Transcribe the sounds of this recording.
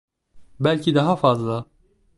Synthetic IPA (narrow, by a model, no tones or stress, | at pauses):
bælʲcʰid̪ɑɦafazlˠa